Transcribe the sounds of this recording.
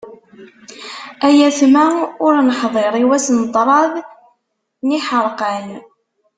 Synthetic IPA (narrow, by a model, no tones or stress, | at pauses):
æjæsmæʊɾnəħðˤeɾˤiwæsnət̪ˤːɾˤɑðˤ | niħəɾˤqən